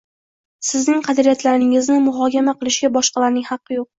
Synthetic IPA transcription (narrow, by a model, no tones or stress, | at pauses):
sɪznɪŋqʰɑd̪ɾijat̪laɾɪŋɪznɪmʊɦɒkʲamaqʰɨlˠɪʃɡʲabɒʃqɑlaɾnɪŋhɑqːɨjoq̚